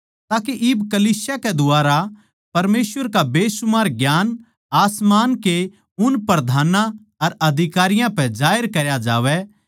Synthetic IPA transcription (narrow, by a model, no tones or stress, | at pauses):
t̪aːkeʔɪbkɐliːsjakɛd̪ʊaːɾa | pɐɾmeːsʋəɾkabeːsʊmaːɾɡjaːn | aːsmaːnke | ʊnpɾɾɐd̪ʱaːnã | ɐɾɐd̪ʱɪkaːɾɪjãpɛ̃d͡ʒaːɪəɾkɐɾjad͡ʒaːʋɛ